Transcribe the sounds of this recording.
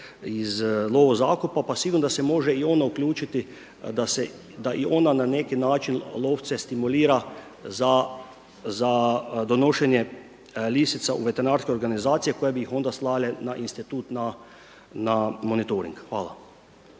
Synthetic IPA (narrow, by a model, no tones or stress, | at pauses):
izlˠoːʋozaːkupapasiɡuɾnd̪asɛmoːʒɛionauklʲuːt͡ʃit̪i | d̪asɛ | d̪aʔionananekinaːt͡ʃinloːwt̪sɛst̪imuliːɾa | za | zad̪onoʃɛnjɛ | liːsit̪saʔṵʋet̪ɛɾnaːɾskeo̞ɾɡanizaːt̪sijekojebijixo̞nd̪aslaːlenaʔinst̪it̪uːt̪na | namonit̪oɾḭŋkxʋaːla̰